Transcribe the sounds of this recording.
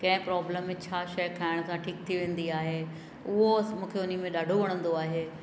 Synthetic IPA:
kɐ̃ɦɪ̃pɾɔːbləmẽt͡ɕʰaːʃɐjkʰaːɪɽ̃ʊsãʈʰiːk̚t̪ʰiʋẽːn̆d̪iaːɦe | ʊɦomũːkʰeʊnimẽɗaːɖʱoʋɐɽ̃ə̃nd̪oaːɦeː

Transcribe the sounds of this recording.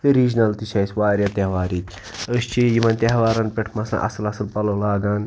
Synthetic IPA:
fiɾiːd͡ʒnɐlt̪iʃʰɐjsʲʋaːɾʲjat̪eɦʋaːɾik̪ʲ | əʃt͡ʃʰijimɐnt̪ʲeɦʋaːɾɐnpeʈʰmɐsa̰ʔɐ̰sɨlɐsɨlpɐloːlaːɡaːn

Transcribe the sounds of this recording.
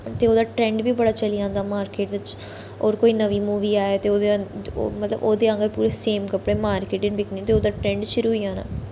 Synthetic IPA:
t̪eːoːd̪aːʈɾɛ̃ːɳɖʋiːbəɽaːt͡ʃəlijãːnd̪aːmaːɾkeːʈʋɪt͡ʃ | oːɾkoːiːnəʋiːmuːʋiːaːeːt̪eːoːd̪emət̪lə̰boːd̪eːə̃ŋɡəɾpuːɾeːseːmkəpɽeːmaːɾkeːʈɪ̃nbɪknĩt̪eːoːd̪aːʈɾɛ̃ːɳɖʃʊɾuːɦiːãːna̰ː

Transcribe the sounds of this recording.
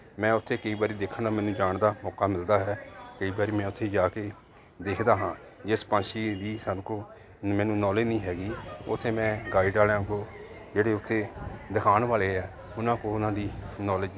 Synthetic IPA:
mɛ̃ːʊt̪ʰːeːkəiːbaːɾiːd̪eːkʰənd̪aːmɛːnũːd͡ʒaːɳd̪aːmɔːkaːmɪld̪aːɦɛːkəiːbaːɾiːmɛ̃ːʊt̪ʰːeːd͡ʒaːkeː | d̪eːkʰd̪aːɦãː | d͡ʒɪspãːnʃiːd̪iːsənkoː | mɛːnũːnɔːleːnĩːɦɛːɡiːʊt̪ʰːeːmɛ̃ːɡaːɪɖaːlãːɡoː | d͡ʒeːɽeːʊt̪ʰːeːd̪əkʰaːnʋaːleːɛː | ʊnãːkoːʊnãːd̪iːnɔːləd͡ʒ

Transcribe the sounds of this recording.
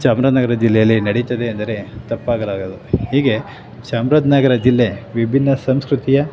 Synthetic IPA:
saːmɾɐd̪nɐɡɐɾɐd͡ʒilːɛjɐlːinɐɽit̪ɐd̪e̞ɐnd̪ɐɾe̞t̪ɐpːaːɡɐlaːɡod̪uhiːɡe̞ | saːmɾɐd̪nɐɡɐɾɐd͡ʒilːe̞ʋibʱinːɐsɐmskɾut̪ijɐ

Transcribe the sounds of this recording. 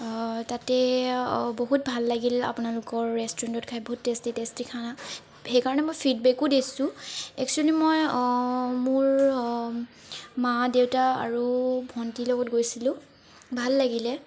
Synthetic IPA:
tatɛ | boɦut̚bʱalːaɡila̰pʊnalʊkɔɹːɛstɔɹantɔtkʰajboɦutːestitestikʰana | xɛjkaɹɔnɛmojpʰidbɛkʊdesʊ̃ɛk̚t͡ʃualimoj | mʊɹ | madewtaa̰ɹubʱɔntilɔɡɔtɡojsilʊ̃ | bʱalːaɡilɛ

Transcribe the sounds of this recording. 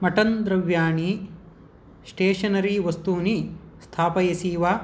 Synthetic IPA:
mɐʈɐnd̪ɾɐʋjaːɳi | sʈeːʂɐnɐɾiʋɐst̪uːnist̪ʰaːpɐjɐsiːʋaː

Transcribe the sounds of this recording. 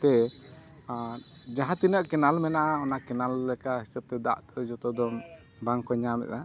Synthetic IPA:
t̪ɛ | d͡ʒaɦãt̪inəʔkɛnalmɛnaʔaɔnakɛnalːɛkahisəb̚t̪ɛd̪a̰ʔt̪d͡ʒɔt̪ɔd̪ɔm | baŋkɔɲamɛ̰ʔ̪a

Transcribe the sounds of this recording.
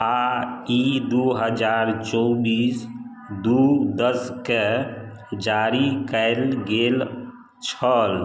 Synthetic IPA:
aid̪uɦəd͡ʒaɾt͡ʃɔbis | d̪ud̪əske | d͡ʒaɾikəlɡel | t͡ʃʰəl

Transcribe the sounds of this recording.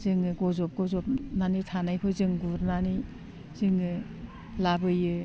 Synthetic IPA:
zɯŋɯɡɔzɔp̚ɡɔzɔpnanitʰanajkʰɯzɯŋɡuɾnani | zɯŋɯ | labɯjɯ

